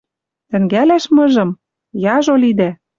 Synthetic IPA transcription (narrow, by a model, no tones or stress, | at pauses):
t̪ɘ̆ŋɡælæʃmɤ̆ʒɤ̆m | jɑʒolid̪æ